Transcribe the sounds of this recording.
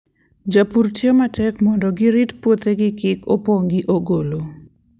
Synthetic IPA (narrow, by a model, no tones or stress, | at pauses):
d͡ʒapurtjomatɛkmɔndɔɡɪɾitpwot̪eɡɪkɪkʰopoŋɡiʔoɡolo